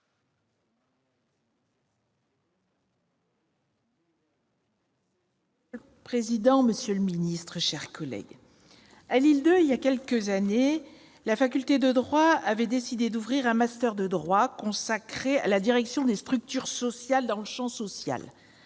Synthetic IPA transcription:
əl | pχezid̪ɑ̃məsjøləminist̪χəʃɛʁkɔlɛ̰ɡ | alild̪øiljakʲɛlkəzane | lafak̬ʲylt̪ed̪əd̪ʁwaavɛd̪esid̪ed̪uvʁiʁɛ̃mast̪œʁd̪əd̪ʁwakɔ̃sakχea̰lad̪iʁɛksjɔ̃d̪est̪χyk̚t̪yʁsɔsjald̪ɑ̃ləʃɑ̃sɔsja̰l

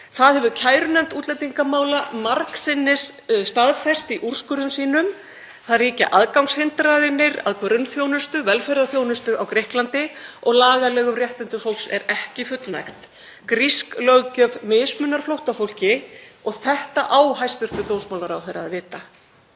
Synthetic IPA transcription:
θaðhɛvʏcʰaːjɾʏnɛmt̪uːt̪lɛjt̪iŋkamaːwlamaɾksɪnːɪsst̪aðfɛst̪iʔur̥skʏɾðʏmsiːnʏm | θaðriːca̰ʔaðkawŋshɪnt̪ɾajðɪnːɪɾa̰ðkʰœɾʏnθjownʏst̪ʏvɛlfɛjɾaðθjownʏst̪ʏʔawkɾɪhklant̪ɪɔɣlaːɣalɛːɣʏmrjɛht̪ɪnt̪ʏfowlksɛ̰ɾɛhcɪfʏt̪lna̰jxt̪ | kɾisklœɣcœvmɪːsmʏnːaɾ̥flowht̪afowl̥cɪɔɣθɛht̪aʔaːwɦajsp̪ʏr̥t̪ʏt̪oːwnsmawlaɾawθejɾaðvɪːt̪a

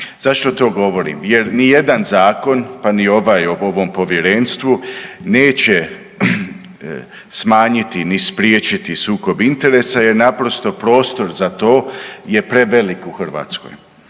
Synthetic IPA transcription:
z̥aʃt̪o̞t̪o̞ːɡo̞ʋo̞ɾḭːmjeɾnije̞d̪anzaːko̞npanio̞ʋajooʋo̞mpo̞ʋje̞ɾenst̪ʋuneːt͡ɕe | smaːɲit̪inispɾjeːt͡ʃit̪isuːko̞bint̪e̞ɾeːsaje̞ɾnapɾo̞st̪o̞pɾo̞ːst̪o̞ɾzat̪o̞ːje̞pɾe̞ʋelikuxr̩ʋa̰ːt̪sko̰j

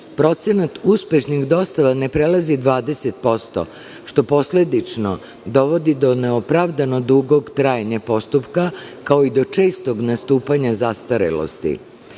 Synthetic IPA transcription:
pɾo̞t̪senat̪uspe̞ʃnixd̪o̞st̪aʋane̞pɾelˠazid̪ʋaːd̪e̞set̪̚po̞st̪o̞̰ | ʃt̪o̞po̞sle̞d̪it͡ʃno̞̰ | d̪o̞ʋo̞d̪id̪o̞ne̞opɾaʋd̪ano̞d̪uɡo̞ɡt̪ɾaːjeɲapo̞st̪upkakao̞id̪o̞t͡ʃe̞ːst̪o̞ɡnast̪uːpaɲazast̪aɾḛlo̰st̪ḭ

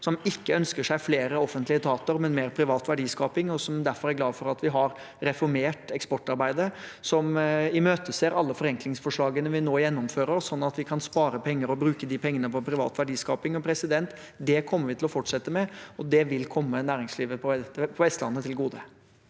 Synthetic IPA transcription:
sɔmɪkːəœnskəʂæɪfleːɾəɔfənt̪lɪət̪ʰɑːt̪ʊɾmɛnmeːɾpʰɾɪʋɑːt̪ʋæɖiːskɑːpɪŋɔsɔmd̪æɾfɔɾæɾɡlɑːʋ̪fɔɾɑt̪ʋɪɦɑɾ | ɾɛfɔɾmeːʈɛkspɔʈːɑɾbæɪd̪əɾsɔmɪmøːt̪əseːɾɑlːəfɔɾɛŋklɪŋsfɔʂɭɑːɡənəʋɪnoːjɛnːɔmføːɾəɾɔsːɔnːɑt̪ʋɪkʰɑnspɑːɾəpʰɛŋːəɾɔbɾʉːkəd̪iːpʰɛŋːənəpɔpʰɾɪʋɑ̰ːt̪ʋæɖiːskɑːpɪŋɔpʰɾɛsɪd̪ɛnt̪ | d̪ɛkʰɔmːəɾʋɪt̪ʰɪlɔfɔʈʂɛt̪ːəmɛɔd̪ɛʋɪlkʰɔmːənæːɾɪŋsliːʋəpʰɔpʰɔʋɛst̪əlɑ̰nːət̪ʰɪlɡuːd̪ə

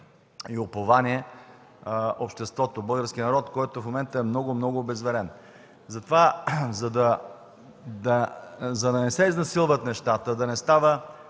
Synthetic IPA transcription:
iopovanʲiɛ | ʔopʃt̪ɛst̪vɔt̪obɤlˠɡəɾsk̟ʲinɐɾɔt̪kɔjt̪ofmomɛnt̪əɛmnɔɡomnɔɡʊːbɛzvɛɾɛn | zɐt̪ovazɐd̪ɐ | d̪ɐzɐd̪ɐnɛsɛiznɐsilˠvət̪nɛʃt̪at̪əd̪ɐnɛst̪avə

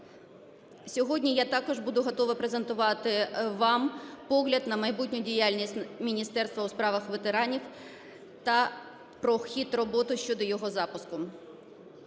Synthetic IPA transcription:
sʲɔɦɔdʲnʲijat̪ɑkɔʒbud̪ʊɦɔt̪ɔʋɐpɾezent̪ʊʋɑt̪ɪʋɑmpɔɦlʲɐd̪nɐmɐjbutʲnʲʊdʲijalʲnʲisʲtʲmʲinʲist̪ɛrst̪ʋɐuspɾɑʋɐxʋet̪eɾɑnʲiw | t̪ɐ | pɾɔxʲit̪rɔbɔt̪ʊʃt͡ʃɔd̪ɔjɔɦɔzɑpʊskʊ

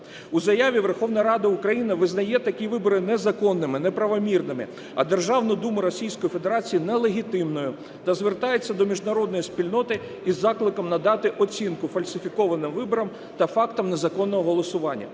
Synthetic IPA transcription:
uzɐjaʋʲiʋerxɔwnɐɾɑd̪ɐukɾɐjinɐʋɪznɐjɛt̪ɐkʲiʋɪbɔɾɪnɛzɐkɔnːɪmɪnɛpɾɐʋɔmʲirnɪmɪ̰ | ɐ̰d̪e̞rʒɑwnʊd̪umʊɾɔsʲijsʲkɔjifed̪eɾɑt͡sʲijinɛlˠeɦʲit̪ɪmnɔjʊ | t̪ɐzʋert̪ɑjet͡sʲːɐd̪ɔmʲiʒnɐɾɔd̪nɔjispʲilʲnɔt̪ɪ | izːɑklˠɪkɐmnɐd̪ɑt̪ɪʔɔt͡sʲinkʊfɐlʲsʲɪfʲikɔʋɐnɪmʋɪbɔɾɐm | t̪ɐfɑkt̪ɔmnezɐkɔnːɔɦɔɦɔlˠɔsʊʋɑnʲːɐ̰

